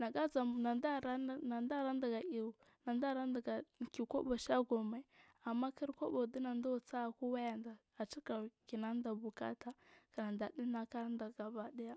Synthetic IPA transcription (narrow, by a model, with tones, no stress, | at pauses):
na˨ɡa˦d͡za˨na˨nda˦˨ɾa˦˨a˨nda˦ɾa˦n˦da˨ɡa˨i˨ | na˨nda˦ɾa˦nda˨ɡa˨ki˨ko̰˦ba˨ʃa˦ɡo˨me˨˦ | a˨mːa˦ki˦ɾko˦bo˨di˦na˨nda˦wt͡sa˦˨ku˦wa˦ja˨nda˨ | a˨t͡ʃi˦ka˨ki˨na˦n˦da˨bu˨ka̰˦ta˦ka˨na˨nda˨di˦na˨ka˦ɾa˦nda˨ɡa˨ba˨ɗi˦ja˦